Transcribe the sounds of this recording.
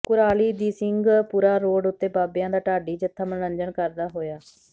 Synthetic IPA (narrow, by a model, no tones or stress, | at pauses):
kʊɾaːliːd̪iːsɪŋɡpuːɾaːɾoːɖʊt̪ːeːbaːbɪjãːd̪aːʈaːɖiːd͡ʒɪt̪ʰːaːmənəɲd͡ʒənkəɾd̪aːɦoːjaː